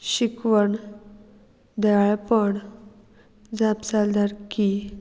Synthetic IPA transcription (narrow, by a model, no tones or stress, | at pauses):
ɕikʋəɳ | d̪ɛɭapəɳ | d͡zapsald̪aɾki